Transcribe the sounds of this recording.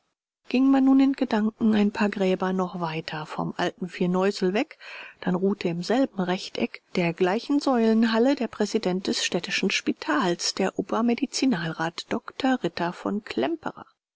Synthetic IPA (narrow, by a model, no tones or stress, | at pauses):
ɡ̥ɪŋmanːuːnɪnɡ̥ədaŋkŋ̩aɪnpʰaːɐɡʁɛːbɐnɔχv̥aɪtʰɐfɔ̰mʔaltn̩fiːɐnɔʏzl̩vɛkd̥anʁuːtʰəɪmzɛlbm̩ʁɛçtʔɛ̰kd̥eːɐɡlaɪçn̩zɔʏlənɦalədeːɐpʁ̥ɛzidɛnt̚d̥ɛsʃtɛtɪʃn̩ʃpitʰaːlsd̥eːɐʔuːpɐmedit͡sinaːlʁaːtd̥ɔktʰɐʁɪtɐfɔ̰nkʰl̥ɛmpə̰ʁɐ̰